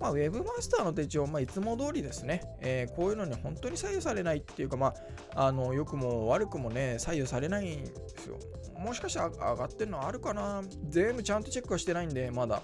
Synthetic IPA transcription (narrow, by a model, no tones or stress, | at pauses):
mawe̞bɯ̟masɨ̥t̪aːno̞t̪et͡ɕiomait͡sɨmo̞d̪o̞ːɾʲid̪e̞sɨne̞ | eːkʰo̞ːjɯ̟ːno̞ɲ̟ihõ̞nt̪oɲ̟isaijo̞saɾe̞nait̪ːe̞jɯ̟kamaː | no̞jo̞kɯ̟mo̞βaɾɯ̟kɯ̟mo̞ne̞saijːo̞saɾe̞naindd̪esɨ̰jo̰ | mo̞ɕi̥kaɕi̥t̪aa̰ɡat̪ːe̞ɾɯno̞aɾɯ̟kana | ze̞mbɯ̟t͡ɕãnt̪o̞t͡ɕekːɯɡaɕi̥t̪e̞naĩnd̪e̞mad̪a̰